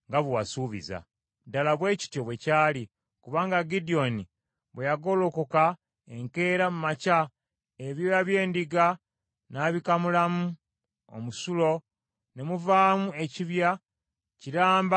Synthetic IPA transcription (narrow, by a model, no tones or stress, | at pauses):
ŋɡaβuwasuːβḭza̰ | dalaβwe̞ːci̥tjo̞βwe̞caːli | kuβaːŋɡaɡidio̞ni | βwejaɡo̞lokoka | ḛŋke̞ːɾamumaca | eβjo̞jaβje̞ːndiɡa | naːβikamulamu | o̰musulo̞ | ne̞muvaːmue̞ciβja | ciɾaːmba